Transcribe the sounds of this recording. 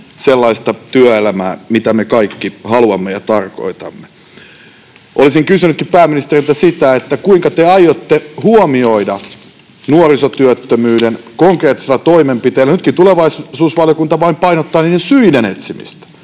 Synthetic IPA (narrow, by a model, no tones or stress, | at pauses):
selːɑist̪ɑt̪yæelæmæːmit̪æmekɑikːihɑluɑmːejɑt̪ɑrko̰it̪ɑ̰mːe | ʔolisiŋkysynytkippæːminist̪erilt̪æsit̪æet̪ːækuiŋkɑt̪eɑjot̪ːehuomioidɑ | nuorisot̪yøt̪ːømyːdenkoŋkreːt̪ːˑi̥selːɑt̪oimempit̪eːlːænyt̪kit̪uleʋɑissuːsʋɑljokunt̪ɑʋɑimpɑinot̪ːɑːniːdesyinenet̪simḭst̪æ̥